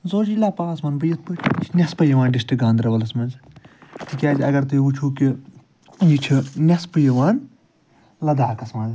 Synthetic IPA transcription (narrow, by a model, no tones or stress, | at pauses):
zoːd͡ʒilaːpaːsmɐnbɨjit̪pɨt͡ʃʰnʲɐspɐjiʋaːnɖisʈɨɡãːnd̪ɾɐʋɐlɐsmɐnzt̪ikʲaːd͡ʒɐɡɐɾt̪ɨut͡ʃʰuːki | jit͡ʃʰinʲɐspɨjiʋaːn | lɐd̪aːkɐsmɐnz